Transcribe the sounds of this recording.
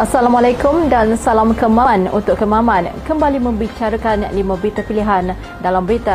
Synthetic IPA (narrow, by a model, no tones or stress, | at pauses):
ʔasalamalakʊmdansalamkəmanṵnt̪ʊʔkːəmãmãnkəmbalimə̃mbit͡ʃaɾakanlimãbɾit̪apiliɦan | dalambəɾit̪a